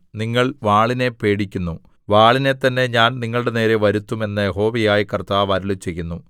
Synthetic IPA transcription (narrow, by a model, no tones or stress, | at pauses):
niŋːɐɭʋaːɭine̞pe̞ːɽikʲːunːu | ʋaːɭine̞t̪ːɐnːe̞ɲaːnniŋːɐɭuɽe̞ne̞ːɾe̞ʋɐɾut̪ːume̞nːɐjeɦo̞ːʋijaːjikɐrt̪aːʋɐɾulut͡ɕe̞jːunːu